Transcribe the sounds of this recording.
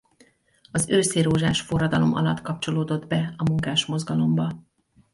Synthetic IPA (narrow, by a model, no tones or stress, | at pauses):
ɒzøːseːɾoːʒaːʃfo̞rːɒd̪ɒlo̞mɒ̰lɒt̪kɒpt͡ʃo̞loːd̪o̞d̪bɛɒmuŋkaːʃmo̞zɡɒlo̞mbɒ